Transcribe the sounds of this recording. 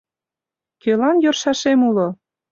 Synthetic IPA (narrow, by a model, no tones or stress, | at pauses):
kølɑnjorʃɑʃemulo